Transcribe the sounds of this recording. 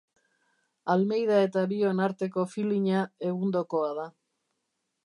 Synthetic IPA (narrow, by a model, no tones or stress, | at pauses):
alme̞jðae̞t̪aβio̞naɾt̪e̞ko̞filiɲae̞ɣund̪o̞ko̞að̞a